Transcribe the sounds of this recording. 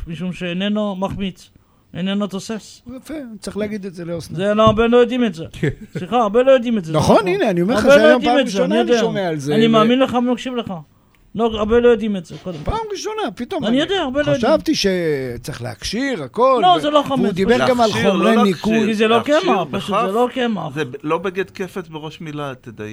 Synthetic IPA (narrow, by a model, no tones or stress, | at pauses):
miʃumʃeenenomaχmit͡s | enenot̪o̞sesjafet͡sʁiχleaɡid̪etzeleoszeloabelojod̪imetzesliχaːʁbelo̞jod̪imetzenaχonineaniomeaʁabeojod̪amezeanijod̪emealzeanimaːminleχamimakʃivle̞χa | loaʁbelo̞jod̪imetzekod̪empamʁiʃonapit̪omanijod̪eaaʁbelojodavt̪iʃet͡sʁiχlḛha̰kʃiʁakollozeloχamud̪ibeɡamaloenikukizelokemaχpaʃut̪zelo̞kemaχzelo̞beɡed̪kefesbeʁo̞ʃmilat̪ed̪a